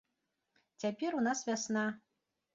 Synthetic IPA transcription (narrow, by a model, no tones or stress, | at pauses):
t͡sʲapʲɛɾunasvʲasna